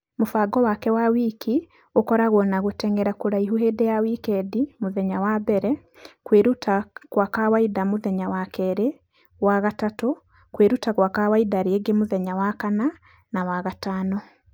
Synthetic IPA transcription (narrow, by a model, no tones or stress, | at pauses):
mufaɡɔwakɛwawikʰi | okɔɾaɣonaɣotɛŋɡɛɾakuɾaiɦuɦedejawikedimuðeɲawabɛɾɛ | kweːɾutakwakawaidamuðeɲawakʰɛɾe | waɣatato | kweɾutakwakawaidaɾieɡemuðeɲawakana | nawaɣataːno